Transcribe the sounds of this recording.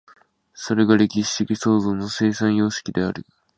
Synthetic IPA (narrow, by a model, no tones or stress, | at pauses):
so̞ɾe̞ɡaɾe̞kʲiɕi̥ɕikʲiso̞ːzo̞ːnːo̞se̞ːsãɰ̃jo̞ːɕi̥kʲid̪e̞a̰ɾɯ̟̰